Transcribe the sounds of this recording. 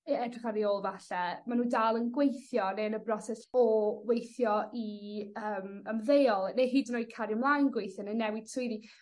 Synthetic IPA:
ɛdrɪχaɾioːlˠvaɬɛmanuːdaːlˠənɡwejθjɔnenəbrɔsɛsɔwejθjɔiəːməmðejɔlˠneɦiːdnoːjkʰaɾjəmlˠajnɡwejθjɔnenɛwɪd̥sʰʊɨði

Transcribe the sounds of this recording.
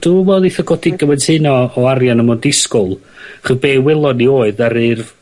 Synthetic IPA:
d̥umɛðˠiθəɡɔdɪɡəwɛnsʰɨnɔːarjanəmɔdɪskʊlˠ | aχəðbeːwɪlˠɔnioːɨðaɾɨrv

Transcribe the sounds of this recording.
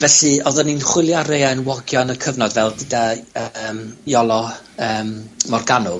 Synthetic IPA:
vɛɬɨɔðəninχwɪlˠjaɾejaənwɔɡjɔnəkʰəvnɔdvɛlˠdɪdaəmjɔlˠɔ | əːmmɔrɡanʊ

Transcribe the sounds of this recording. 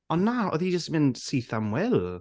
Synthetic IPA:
ɔnːaɔ̰ðid͡ʒəstmɪnd̥siθamwɛlˠ

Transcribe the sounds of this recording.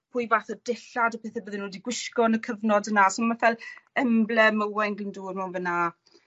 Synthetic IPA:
pʰʊːjvaːθɔd̥ɪɬadɔpʰeːθɛbəðɪnwɛːdiɡwɪʃkɔnəkʰəvnɔdənasɔnmafɛlɛmblɛməwɛnɡlɪnduːrmawnvəna

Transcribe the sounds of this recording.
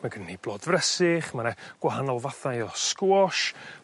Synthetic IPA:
maɡənniblˠɔːdvrɛsɪχmanɛɡ̥waɦanɔlˠvaθajɔskuɔʃ

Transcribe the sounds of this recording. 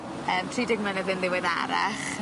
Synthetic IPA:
əːmtʰriːdɪɡmɛnɛðənlˠɪwɪða̰ɾa̰χ

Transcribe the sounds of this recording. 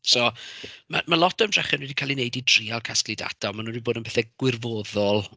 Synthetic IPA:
soːmamalˠɔtəmdrɛχɛnwɛːdikʰaːlinejdidriːalˠkʰasklida̰tʰaɔmanuniboːdənbʰeːθɛɡ̥wɪrvoːðɔlˠ

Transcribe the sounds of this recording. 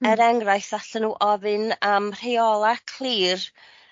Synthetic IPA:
əɾɛŋrajθaɬənuːʔɔvɨnamr̥ejɔlˠakʰl̥ˠiːr

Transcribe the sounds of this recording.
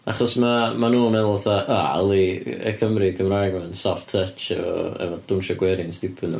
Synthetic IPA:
aχɔsmamanuːmɛðlˠaθaʔaa̰lˠiə̰kʰəmrikʰəmrajɡmansɔftʰət͡ʃɛvɔ̰ɛ̰vɔd̥ʊnʃɔɡwɛɾɪnstɪpʰənṵ

